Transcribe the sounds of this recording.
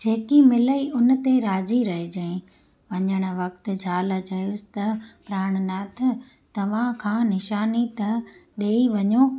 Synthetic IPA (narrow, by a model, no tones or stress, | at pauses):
d͡ʑeːkimɪləiʔʊnt̪eɾaːziɾɐɦed͡ʑɐɪ̃ | ʋɐɲəɽ̃ə̆ʋɐk̚t̪̆d͡ʑʱaːlət͡ɕɐjʊsɪ̥t̪ɐpɾaːɽ̃nat̪ʰɪ | t̪ɐʋ̤ãkʰãːnɪʃaːnit̪ɐɗeːiʋɐɲoː